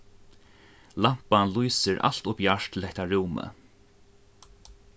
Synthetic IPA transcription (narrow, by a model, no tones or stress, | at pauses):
lam̥panlujsɪɾʔa̰l̥t̪ʊpjaʂt̪ʰɪlhɛht̪aɹuːmə̰